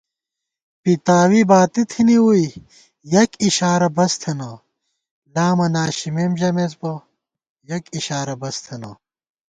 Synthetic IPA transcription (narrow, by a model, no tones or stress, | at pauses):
pit̪aːwibaːt̪it̪ʰiniwui | jɐkiɕaːɾɐbɐst̪ʰenɐ | laːmɐnaːɕimemʑɐmezbɐ | jɐkiɕaːɾɐbɐst̪ʰenɐ̰